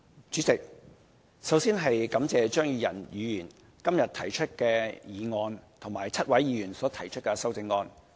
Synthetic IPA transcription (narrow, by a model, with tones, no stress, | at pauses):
t͡ʃyː˨˥t͡sɪ˨k̚ | sɐ˨˥wsiː˥nɦɐ˨jkɐ˨˥mt͡sɛː˨t͡ʃœː˥ŋjyː˨˧jɐ̰˨˩njyː˨˧jyː˨˩n | kɐ˥mjɐ˨t̪ʰɐ˨˩jt͡ʃʰɵ˥t̚kɛː˧jiː˨ŋɔː˧nt̪ʰʊ˨˩ŋmaː˨˩jt͡sʰɐ˥t̚wɐ˨˥jːiː˨˧jyː˨˩nsɔː˨˥t̪ʰɐ˨˩jt͡ʃʰɵ˥t̚kɛ˧sɐ˥wt͡sɪ˧ŋːɔː˧n